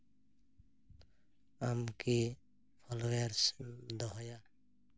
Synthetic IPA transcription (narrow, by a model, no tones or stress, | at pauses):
amki | pʰɔloeɾsd̪ɔɦɔja